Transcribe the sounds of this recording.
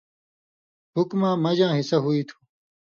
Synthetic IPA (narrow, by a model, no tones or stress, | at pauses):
ɦʊkmãːmɐd͡ʑãːɦɪsɐɦuiːt̪ʰu̥ː